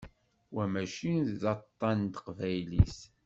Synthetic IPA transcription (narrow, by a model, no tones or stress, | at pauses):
wæmæʃinððɑt̪ˤːɑnt̪ə̥qvæjlis